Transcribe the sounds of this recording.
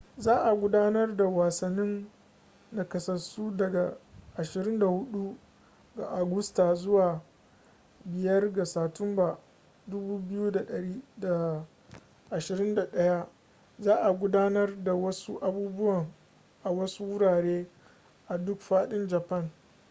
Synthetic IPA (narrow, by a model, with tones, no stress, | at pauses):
zaː˦ʔa˨ɡʷʊ˦daː˦nɐ˦rda˨waː˨sɐ˨nːɪ˦nː | a˨kɐ˨sɐ˨rsuː˦dɐ˨ɡa˨ʔa˨ʃɪ˨ɾɪ˦nda˨hʊ˦ɗu˦ | ɡa˨ʔa˨ɡʊ˦sta˨zʊ˦waː˨ | bɪ˨jɐ˦rɡa˨saː˨tʊ˦mba˨ | dʊ˦buː˦bɪ˦juː˦da˨ɗɐ˨ɾiː˦da˨ | ʔa˨ʃɪ˨ɾɪ˦nda˨ɗɐ˦ja˦ | zaː˦ʔa˨ɡʷʊ˦daː˦nɐ˦rda˨wɐ˦su˦ʔa˨buː˦bʊ˦wɐ˨ŋ | ʔa˨wɐ˦su˦wʊ˦ɽaː˨ɽeː˦ | ʔa˨dʊ˦kɸaː˦ɗɪ˦nd͡ʒɐ˨pɐ˦˨n